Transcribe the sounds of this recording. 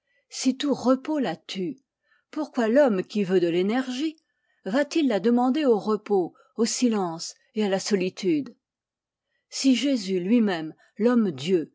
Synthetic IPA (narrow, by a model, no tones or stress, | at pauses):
sit̪uʁəpolat̪ʰy | puʁkwalɔmkʲivød̪əlenɛʁʒi | vat̪ilːad̪əmɑ̃d̪eoʁəpo | osilɑ̃s | ealasɔlit̪ʰyd̪ | siʒezylɥimɛm | lɔmd̪jø